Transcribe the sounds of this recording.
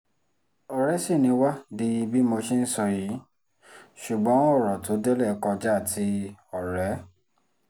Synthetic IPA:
ɔ˨ɾɛ˨˦si˦˨nĩ˧wa˦di˧i˧bi˦mo˧ʃi˦n̩˦sɔ˧ji˨˦ | ʃu˨ɡ͡bɔ̃˨˦ɔ˦˨ɾɔ̃˨to˨˦de˦lɛ˦˨˦kɔ̃˧d͡ʒa˦a˦˨tʰi˧˦ɔ˨ɾɛ˨˦

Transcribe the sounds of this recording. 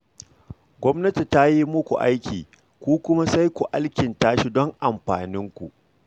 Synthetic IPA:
ɡʷɔ˦mnɐ˦ti˨ta˦ji˦mʊ˦kʷu˨ʔa̰˦jkʲḭː˨ | kʷuː˦kʷʊ˦ma˦sa˦jkʷu˨ʔa˦lkʲɪ˨ntaː˦ʃi˦dɔ˦ŋʔa˨mɸa̰ː˨nɪ˦ŋkʷu˨ʔ

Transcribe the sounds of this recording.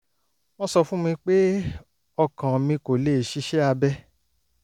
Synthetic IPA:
mɔ̃˧sɔ˧fũ˦mĩ˧k͡pe˦ | ɔ˧kã˨mĩ˧ko˨le˦˨ʃi˨˦ʃɛ˦a˧bɛ˦

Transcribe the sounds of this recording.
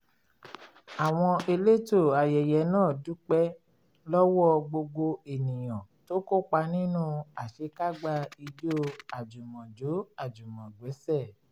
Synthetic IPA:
a˨w̃ɔ̃˧e˧le˦to˦˨a˨jɛ˨jɛ˨˦nãː˦˨du˨˦k͡pɛ˦ | lɔ˦wɔ˦ɡ͡bo˧ɡo˧e˨nĩ˨j̃ɔ̃˨to˨˦ko˦˨k͡pa˧nĩ˦nũ˦a˨ʃe˨˦ka˦ɡ͡ba˧i˧d͡ʒo˦a˨d͡ʒu˨mɔ̃˨d͡ʒo˨˦a˦˨d͡ʒu˨mɔ̃˨ɡ͡bɛ˨˦sɛ˦˨

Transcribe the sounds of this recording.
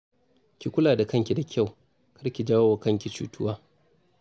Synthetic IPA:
kʲi˨kʷʊ˦laː˨da˨kɐ˦ŋkʲi˨da˨kʲʰa˦˨w | kʰɐ˦ɾkʲi˨d͡ʒaː˦woː˦wa˨˦kɐ˦ŋkʲi˨t͡ʃṵː˦tʰʊ˦waː˦

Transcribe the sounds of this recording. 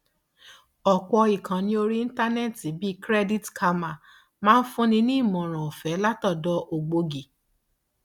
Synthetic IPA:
ɔ˨k͡pɔ˧i˨kã˨˦nĩ˦o˧ɾi˦n̩˦ta˦nɛ˦˨ti˨˦bi˦kɾɛ˦di˦tkʰa˧ma˨ | mãː˦n̩˦fũ˦nĩ˧nĩ˦i˦˨mɔ̃˨ɾ̃ã˨o˨fɛ˨˦la˦tɔ˦˨dɔ˧˦ʔo˨ɡ͡bo˧ɡi˨

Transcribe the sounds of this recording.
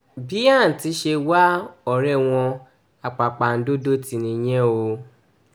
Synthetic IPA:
bi˦ã˦˨n̩˨ti˨˧˦ʃe˧wa˦ɔ˨ɾɛ˦˨w̃ɔ̃˧ | a˨k͡pa˨k͡pa˨n̩˦do˦do˦ti˨nĩ˨˦ɲ̃ɛ̃˦o˧

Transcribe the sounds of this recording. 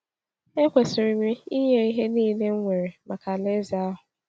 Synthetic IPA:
e˦kʷe˨sɪ˨ɾi˨mi˦i˦ɲe˦i˦ɦe˦niː˦˨ne˦ŋ̩˦ŋʷe˨ɾe˨ma˨ka˨le˦za˦a˦ɦʊ˨

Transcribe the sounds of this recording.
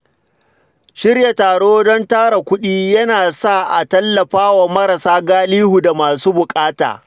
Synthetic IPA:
ʃɪ˦rja˨taː˨ɽoː˦dɔ˦ntaː˦ɽa˨kʷʊ˦ɗiː˦jɐ˦naː˨sa˦˨ʔa˨tɐ˦lːɐ˨ɸaː˦wa˨mɐ˦ɾa˨saː˦ɡaː˦liː˦hu˨da˨maː˨suː˦bʊ˨kʼaː˦ta̰ː˨

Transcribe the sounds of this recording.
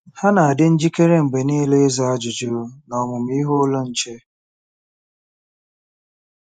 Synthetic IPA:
ha˦na˨a˨dɪ˦n̩˦d͡ʒi˦ke˦ɾe˦ŋ͡m̩˨ɡ͡be˨niː˦le˦za˦a˦d͡ʒʊ˨d͡ʒi˦ɾʊ˦nɔ˨mʊ˨m̩˦i˦ɦʊ˦lo˦n̩˨t͡ʃe˦

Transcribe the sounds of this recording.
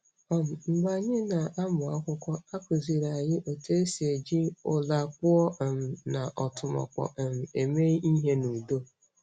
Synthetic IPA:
ɔ˦m̩˨m̩˨ɡ͡ba˨ɲɪ˦na˨ʔa˦mʊ˨a˦kʷʊ˦kʷɔ˦a˦kʊ˨zi˨ɾa˨ɲɪ˦ʔo˨te˦e˦se˨d͡ʒi˦ʊ˦la˨k̚ʷʊ˦ɔ˦˨m̩˨na˨ʔɔ˨tʊ˨mɔ̰˨kɔ̰˨m̩˨e˨me˦ʔi˦ɦe˦nu˨do˦

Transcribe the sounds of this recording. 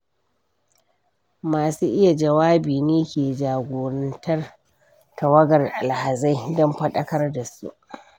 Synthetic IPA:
maː˨suː˦ʔɪ˦ja˨d͡ʒɐ˨waː˦biː˨neː˦kʲeː˨d͡ʒaː˨ɡʷoː˨ɾɐ˦ntɐ˦r | tɐ˨wɐ˦ɡɐ˨rʔa˨lha˨za˦jdɔ˦mɸɐ˦ɗɐ˦kɐ˦rda˨sṵ˦ʔ

